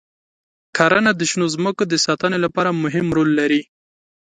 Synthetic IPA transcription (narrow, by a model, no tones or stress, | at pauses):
kʰɑɾanad̪əʃnozməkod̪əsɑt̪ənolapɑɾamʊɦɪmɾolːaɾi